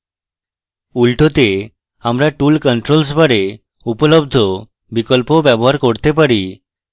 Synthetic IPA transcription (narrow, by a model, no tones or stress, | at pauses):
ulʈot̪e | amɾaʈulkəɳʈɾols̬baɾe | upɔlɔbd̪ʱɔ | bikɔlpobɛbɔɦaɾkoɾt̪ep̬aɾi